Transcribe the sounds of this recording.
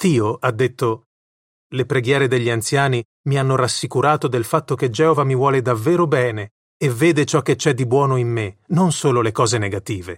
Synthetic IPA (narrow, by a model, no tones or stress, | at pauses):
t̪iːoʔad̪ːet̪ːo | lepɾeɡjɛːɾed̪eʎːiant̪sjaːni | mianːoɾasːikuɾaːt̪od̪elfat̪ːok̟ed͡ʒɛːovamivwɔːled̪avːeːɾobɛːne | evːeːd̪et͡ʃɔkːet͡ʃːɛd̪ːibwɔːnoimːenonsoːlolekɔːzeneɡat̪iːve